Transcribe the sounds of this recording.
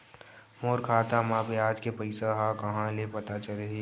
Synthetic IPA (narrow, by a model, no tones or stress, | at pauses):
moːɾkʰaːt̪amãbeaːd͡ʒkepəɪsaɦakɐɦãlepɐt̪at͡ʃɐleɦeː